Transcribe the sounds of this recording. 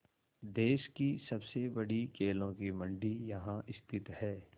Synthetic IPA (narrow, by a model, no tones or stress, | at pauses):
d̪eːʃkisɐbsebɐɽikʰeːlõkimɐ̃ɳɖijɐɦãʔɪst̪ʰɪt̪hɛː